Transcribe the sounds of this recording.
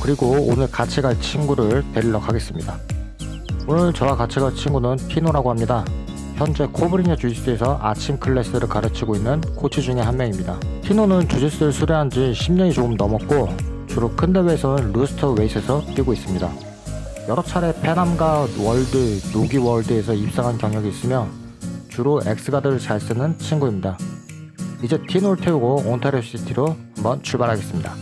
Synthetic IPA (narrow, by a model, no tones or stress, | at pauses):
kɯɾiɡoːnɯɭkat͡ɕʰiɡaɭt͡ɕʰinɡuɾɯɭteɾiɭːʌkʰaɡe̞s͈ɯmɲida | onɯɭt͡ɕʌwakat͡ɕʰiɡaɭt͡ɕʰinɡunɯnpʰinoɾaɡohamɲida | çjʌnd͡ʑe̞kʰobɯɾiɲat͡ɕud͡ʑis͈ɯe̞sʰʌʔa̰t͡ɕʰimkʰɯɭːe̞s͈ɯɾɯɭkaɾɯt͡ɕʰiɡoinːɯnkot͡ɕʰid͡ʑuŋe̞ɦanmjeŋimɲidapʰinonɯnt͡ɕud͡ʑis͈ɯɯɭsʰuɾjeɦand͡ʑiɕʰimɲʌŋit͡ɕoɯmnʌmʌk̚k͈ot͡ɕuɾokʰɯnde̞weːsʰʌnɯnɾusʰɯ̥tʰʌwe̞isʰe̞sʰʌt͈ɥiɡois͈ɯmɲida | jʌɾʌt͡ɕʰaɾe̞pʰe̞namɡawʌɭdɯnoɡiwʌɭdɯe̞sʰʌip̚s͈aŋɦankjʌŋjʌɡiːs͈ɯmjʌ | t͡ɕuɾoe̞̰k̚s͈ɯɡadɯɾt͡ɕaɭs͈ɯnɯnt͡ɕʰiŋɡuimɲida | id͡ʑe̞tʰinoɾɯɭtʰeuɡoontʰaɾes͈itʰiɾohambʌnt͡ɕʰuɭbaɾɦaɡe̞s͈ɯmɲida